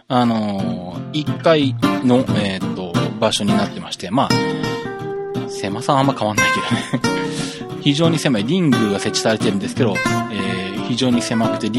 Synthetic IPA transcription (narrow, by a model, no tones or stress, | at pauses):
ano̞ | ikːaino̞et̪ːo̞baɕo̞ɲ̟inat̪ːe̞maɕi̥t̪e̞maː | se̞masãamːakaβanːaiked̪one | çiʑo̞ːɲ̟ise̞maiɾʲĩŋɡɯ̟ɡase̞t͡ɕːi̥saɾe̞t̪e̞ɾɯ̟̃nd̪esɨ̥ke̞d̪o̞eːçiʑo̞ːɲ̟ise̞makɯ̟̥t̪ːe̞ɾʲ